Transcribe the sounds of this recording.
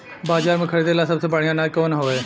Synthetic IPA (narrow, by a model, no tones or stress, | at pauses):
baːzaːɾmẽkʰɐɽed̪eːlasɐbsebəɽ̤ijãnaːd͡ʒkoːnɦoːɛː